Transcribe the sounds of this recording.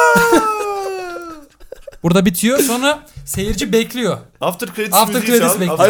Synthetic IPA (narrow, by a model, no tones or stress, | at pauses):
buɾd̪abit̪ʰijoso̞nɾase̞jiɾd͡ʒibɛclʲijo̞aft̪ɾkeaft̪ɯɾkɾed̪isibɛ